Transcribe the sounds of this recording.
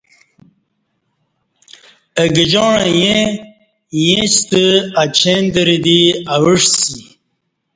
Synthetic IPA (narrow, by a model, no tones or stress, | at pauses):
əɡid͡ʑoːɳajẽ | jẽt͡ɕt̪əat͡ɕʰend̪əɾid̪iawəʂsi